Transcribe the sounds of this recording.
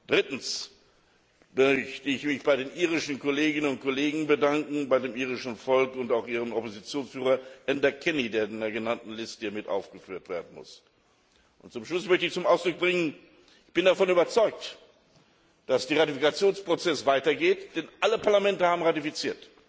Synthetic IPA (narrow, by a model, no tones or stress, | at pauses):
d̥ʁɪtn̩s | mœçtəɪçmɪçb̥aɪdeːnʔiːʁɪʃn̩koleːɡɪnənʊnt̚koleːɡŋ̩bədaŋkŋ̩baɪdeːmiːʁɪʃn̩fɔlkʊntaʊxʔiːʁəmɔpozit͡sjoːnsfyːʁɐʔɛndɐkʰɛnideːɐɪndeɐɡənantn̩lɪstəhiːɐmɪtʔa̰ʊfɡ̥əfyːɐtv̥ḛːɐdn̩mʊ̰s | ʔʊntt͡sʊmʃlʊsmœçtəɪçt͡sʊmaʊsd̥ʁʊk̚b̥ʁɪŋən | ɪçb̥ɪndafɔnyːbɐt͡sɔʏk̚t | d̥asd̥eːʁatifikat͡sjoːnspʁ̥ot͡sɛsv̥aɪtɐɡeːtd̥ɛnʔaləpaɐlamɛntəhaːbmʁatifit͡siːɐt